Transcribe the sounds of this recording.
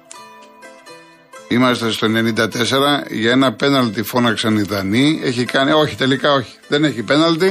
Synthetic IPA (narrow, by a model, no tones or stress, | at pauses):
imɐst̪e̞st̪o̞e̞ne̞nind̪ɐt̪e̞se̞ɾɐʝɐe̞nɐpe̞nɐlt̪ifo̞nɐksɐniðɐnie̞çikɐno̞çi̥t̪e̞likɐo̞çi̥ðe̞neçipe̞nɐlt̪i